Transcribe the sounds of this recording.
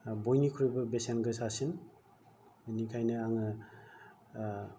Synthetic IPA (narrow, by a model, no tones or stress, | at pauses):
bojnikʰuɾɔjbɐbesenɡɯsasin | nikʰajnɯaŋɯ